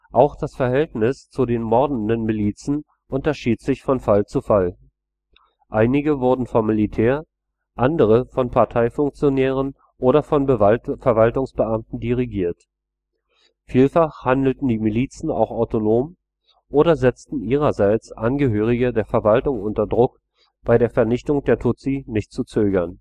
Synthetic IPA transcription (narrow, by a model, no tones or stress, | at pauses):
ʔaʊxd̥asfɛɐɦɛltnɪst͡sudeːnmɔɐdn̩dənmiliːt͡sn̩ | ʔʊntɐʃiːtz̥ɪçfɔnfalt͡sufal | ʔaɪnɪɡəvʊɐdn̩fɔmːilitʰɛːɐ | ʔandəʁ̞əfɔnpʰaɐtʰaɪfʊŋk̚t͡sjonɛːʁ̞ən | ʔoːɾɐfɔnfɛɐvaltʊŋsb̥əʔamtn̩diʁiɡiːɐt | fiːlfaχhandl̩tn̩diːmiliːt͡sn̩a̰ʊxaʊtonoːm | ʔoːɾɐzɛt͡stn̩ʔiːʁ̞ɐzaɪt͡sʔanɡəɦøːʁ̞ɪɡədeːɐfɛɐvaltʊŋʔʊntɐdʁʊk | b̥aɪɾeːɐfɛɐnɪçtʊŋd̥eːɐtʰʊt͡sinɪçtt͡sut͡søːɡɐn